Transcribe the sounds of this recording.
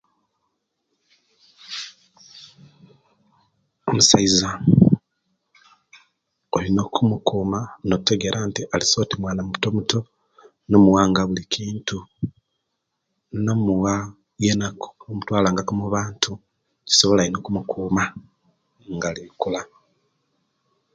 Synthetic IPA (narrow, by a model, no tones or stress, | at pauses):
o̞musaiza | olino̞kʰumukuːmanote̞ɡe̞ɾʔantiʔaliso̞timwaːnamuuto̞muto̞ | no̞muwaːŋɡaβulikʰiːntu | no̞muɣa | jenako̥omutwaːlaːŋɡakomuβaːntʰu | ci̥so̞βo̞lajino̞kumukʰuːma | ŋɡalikula